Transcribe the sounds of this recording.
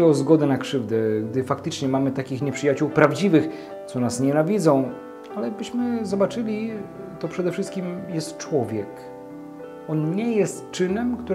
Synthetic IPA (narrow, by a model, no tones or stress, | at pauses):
ɛɔzɡɔd̪ɛnakʂɘvd̪ɛɡd̪ɘfakt̪ɘt͡ʂɲɛmamɘt̪akʲixɲɛpʂɘjat͡ɕuwpɾavd͡ʑivɘx | t̪sɔnasɲɛnavʲid̪zɔ̃w̃ | alɛbɘɕmɘzɔbat͡ʂɘlʲi | t̪ɔpʂɛd̪ɛfʂɘst̪kʲimjɛst̪t͡ʂwɔvʲjɛk | ɔnɲɛjɛst̪t͡ʂɘnɛmkt̪u